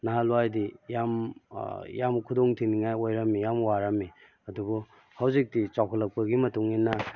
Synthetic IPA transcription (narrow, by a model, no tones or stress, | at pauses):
naɦaluajdijam | jamkʰudoŋtʰiniŋajojɾɐmːijamwaɾamːi | ɐdubu | hawzik̚tit͡ʃawkʰɐlɐk̚pɐɡimɐtuŋinːɐ